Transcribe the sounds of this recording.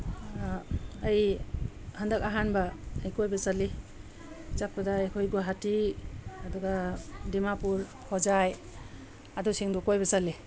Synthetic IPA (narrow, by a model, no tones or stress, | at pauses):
ɐj | həndak̚aɦanbaːjkojbasali | t͡ʃak̚pɐdaːjkʰojɡoɦatiaduɡadimapuɾ | kʰɔzaj | adusiŋdɔkojbasali